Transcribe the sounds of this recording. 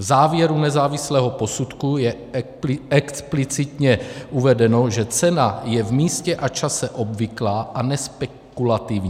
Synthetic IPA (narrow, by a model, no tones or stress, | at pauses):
vzaːvjɛɾunɛzaːvɪslɛːɦo̞po̞sut̪kujɛ | ɛksplɪt͡sɪt̪ɲɛʔuvɛdɛno̞ʒɛt͡sɛnajɛvmiːscɛʔat͡ʃasɛʔo̞bvɪklaːʔanɛspɛ | kulat̪ɪvɲ